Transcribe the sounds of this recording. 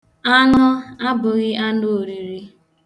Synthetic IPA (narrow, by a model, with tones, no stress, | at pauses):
a˦nɔ˦a˦bʊ˨ɣɪ˦ʔa˦no˦o˨ɾi˨ɾi˦